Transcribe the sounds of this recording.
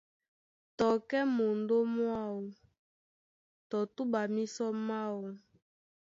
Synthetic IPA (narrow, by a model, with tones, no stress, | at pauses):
tɔ˨kɛ˦mo˨ndo˦mwa˦˨wo˨ | tɔ˨tu˦ba˨mi˦sɔ˦ma˦wo˨